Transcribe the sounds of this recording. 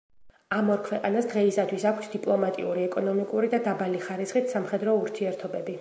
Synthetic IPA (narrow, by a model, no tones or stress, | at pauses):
amɔɾkʰwɛqʼanasd̪ʁɛisat̪ʰwisakʷʰsd̪ipʼlˠɔmat̪ʼḭuɾiɛkʼɔnɔmikʼuɾid̪ad̪abaliχaɾisχit̪ʰsamχɛd̪ɾɔuɾt̪ʰiɛɾt̪ʰɔbɛbi